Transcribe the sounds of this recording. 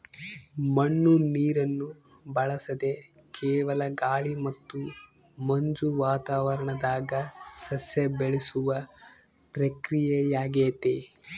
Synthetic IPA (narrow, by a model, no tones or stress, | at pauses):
mɐɳːuniːɾɐnːu | bɐɭɐsɐd̪e̞ | kɛːʋɐlɐɡaːɭimɐt̪ːu | mɐɲd͡ʒuʋaːt̪aːʋɐɾɐɳɐd̪aːɡɐsɐsjebeɭisuʋɐ | pɾɐkɾijejaːɡeːt̪e